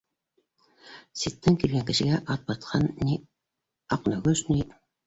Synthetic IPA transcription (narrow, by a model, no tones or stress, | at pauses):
sit̪ːɘŋkilɡæŋkɘ̆ʃɘ̆ɡæʔɑt̪̚bɑt̪̚qʰɑnːi | ɑqnɑɡɵʃni